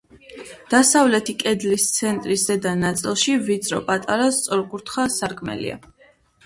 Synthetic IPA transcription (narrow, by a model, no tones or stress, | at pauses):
d̪̥asavlɛt̪ʰikʼɛd̪list̪sʰɛnt̪ʼɾiszɛd̪anat̪sʼilˠʃividt̪sʰʼɾɔpʼat̪ʼaɾast̪sʼɔɾkʼuɾt̪ʰχasaɾkʰʼmɛ̰lḭa̰